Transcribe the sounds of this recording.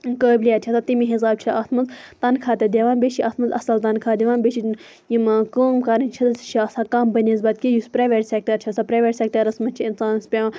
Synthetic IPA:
kəːbʲlijaːt͡ʃʰisʰat̪imiɦizaːb̚t͡ʃʰiaːt̪ʰmɐnzt̪ɐnkʰaːt̪ɐd̪ʲeʋaːnbʲeʃiʔaːt̪ʰmɐnzɐ̰sɐlt̪ɐnkʰaːd̪iʋaːnbʲet͡ʃʰin | jimkəːmkɐɾɨnʲt͡ʃʰit̪ɐsʰt͡ʃʰiɐsakɐmbɐnʲizbɐt̪̚kʲijuspɾɐːʋʲɐɾsʲek̚ʈɐɾt͡ʃʰɐsɐpɾaːʋʲeɾʲsʲek̚ʈɐɾɐsmɐnt͡ʃʰiinsaːnɐspʲeʋ

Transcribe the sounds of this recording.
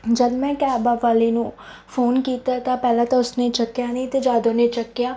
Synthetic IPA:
d͡ʒəd̪mɛ̃ːkɛːbaːʋaːleːnũː | fʰoːnkiːt̪aːt̪aːpɛːlãːt̪ãːʊsneːt͡ʃəkːjaːnĩːt̪eːd͡ʒaːd̪oːneːt͡ʃəkːjaː

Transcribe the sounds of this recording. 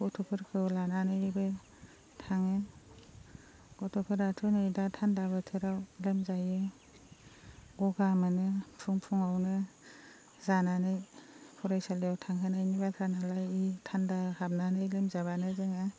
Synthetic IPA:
ɡɔtʰɔpʰɯɾkʰɯlananɯibɯ | tʰaŋɯn | ɡ̥ɔtʰɔpʰɯɾatʰɯnɯjdatʰandabɯtʰɯɾawlemzajɯ | ɡɔɡamɯnɯpʰuŋpʰuŋawnɯ | zananɯjpʰɔɾajsalijawtʰaŋɦʰɯnajnibakʰɾanalajitʰandahab̚nanɯjlemzaβanɯzɯŋa

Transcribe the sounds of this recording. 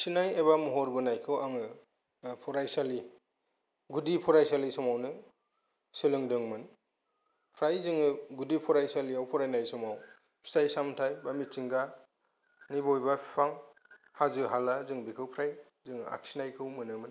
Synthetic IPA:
sinajebamɔɦɔɾbɯnajkʰɯwaŋɯ | pʰɔɾajsali | ɡudipʰɔɾajsalisɔmawnɯ | sɯlɯŋdɯŋmɯn | pʰɾajzɯŋɯɡudipʰɔɾajsaliawpʰɔɾajnajsɔmaw | pʰi̥stajsamtʰajbamit͡ʃiŋɡa | nibɔjbapʰipʰaŋ | hazɯɦalazɯŋbikʰɯwpʰɾaj | zɯŋa̰k̚sinajkʰɯwmɯnɯmɯn

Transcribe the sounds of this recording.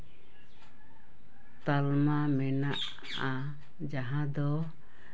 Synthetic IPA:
t̪almamɛnaʔ | a | d͡ʒaɦãd̪ɔ

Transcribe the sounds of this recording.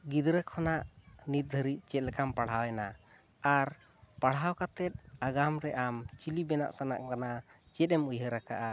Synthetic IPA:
ɡid̪ɾəkʰɔnaʔnit̪̚d̪ʱəɾiʔ̚t͡ʃɛt̪̚lɛkampaɽ̤ɦawɛna | aɾ | paɽ̤ɦawkat̪ɛt̪̚aɡamɾɛʔamt͡ʃilibɛna̰ʔsana̰ʔkana | t͡ʃɛt̪̚ɛmujəɾaka̰ʔa

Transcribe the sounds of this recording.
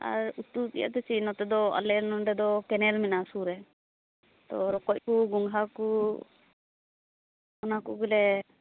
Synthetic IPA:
a̰ɾut̪ut̪ḭja̰ʔt̪ɛt͡ʃinɔt̪ɛd̪ɔa̰lɛnɔɳɖɛd̪ɔkɛnɛɾminasuɾɛ | t̪ɔɾɔkɔc̚kuɡuŋɡɦaku | ɔnakuɡilɛ

